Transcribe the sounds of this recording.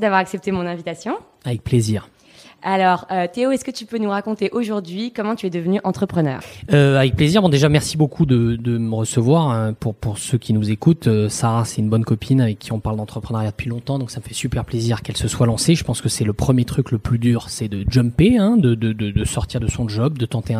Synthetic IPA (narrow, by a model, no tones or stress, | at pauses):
d̪avwaʁaksɛp̚t̪emɔ̃nɛ̃vit̪asjɔ̃ | avɛk̚pleziːʁ | alɔʁøt̪eoɛskət̪ypønuʁakɔ̃t̪eʔoʒuʁd̪ɥikɔmɑ̃t̪yɛd̪əvənyʔɑ̃t̪χəpχənœ̰ːʁøavɛk̚pleziʁbɔ̃d̪eʒamɛʁsibokʰud̪əd̪əməʁəsəvwaʁəpuʁpuʁsøkʲinuzekut̪øsaʁasɛt̪ynbɔnkɔpʰinavɛkʰʲːiɔ̃paʁld̪ɑ̃t̪χəpχənaʁjad̪əpɥilɔ̃t̪ɑ̃d̪ɔ̃ksaməfɛsypɛʁpleziʁkɛlsəswalɑ̃seʒəpɑ̃skəsɛləpχəmjet̪χykləplyd̪yʁsɛd̪əd͡ʒəmpeɛ̃d̪əd̪əd̪əd̪əsɔʁt̪iʁd̪əsɔ̃ʒɔb̚d̪ət̪ɑ̃t̪eɛ̃